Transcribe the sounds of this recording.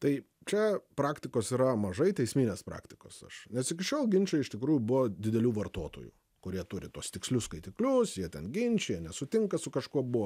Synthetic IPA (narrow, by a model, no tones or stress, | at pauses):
t̪ɐɪ | t͡ʃʲɛpɾɑːkt̪ʲɪkoːsiːɾɐmɐʒɐɪt̪ʲɛɪsʲmʲiːnʲeːspɾɑ̰ːkt̪ʲɪko̰ːsɐ̰ʃnʲɛsɪkʲɪʃʲoːlˠɡʲɪnʲt͡ʃʲɛɪɪʃt̪ʲɪkɾuːjubʊʋod̪ʲɪd̪ʲɛlʲuːʋɐrt̪oːt̪o̰ːjṵː | kʊɾʲiɛt̪ʊɾʲɪt̪uɔst̪ʲɪksʲlʲʊskɐɪt̪ʲɪklʲʊsjiɛt̪ʲɛnɡʲɪnʲt͡ʃʲɛjiɛnʲɛsʊt̪ʲɪŋkɐsʊkɐʃkuɔbʊʋɔ